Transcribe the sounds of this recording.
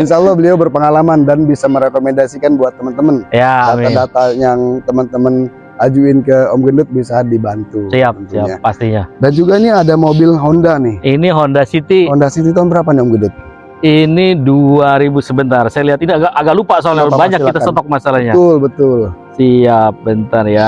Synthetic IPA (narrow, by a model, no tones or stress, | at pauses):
inʃaulːɔhbəliawbərpəŋalamandanbisaməɾekomendasikanbuat̪ːəmənt̪əmənjaamadat̪ajaŋt̪əmənt̪əmən | ad͡ʒuɪnkəɔmɡəndʊt̪̚bisadibant̪usiap̪siaapːast̪iɲadand͡ʒuɡainiadamobɪlɦondanɪhiniɦondasit̪iɦɔndasit̪it̪anbəɾapaniɔmɡəndʊt̪̚ | iniduaɾibusəbənt̪arsajaliɦat̪iniaɡaʔaɡaʔlupasoalabaɲakkːit̪asot̪ɔk̚masalahɲaʊlbət̪ʊlsiap̚bənt̪ərja